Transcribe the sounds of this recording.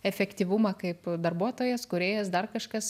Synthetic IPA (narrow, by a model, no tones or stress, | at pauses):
ɛfʲɛkt̪ʲiːʋʊmɐkɐɪpd̪ɐrbuɔt̪oːjɛskʊɾʲeːjɛsd̪ɐrkɐʃkɐs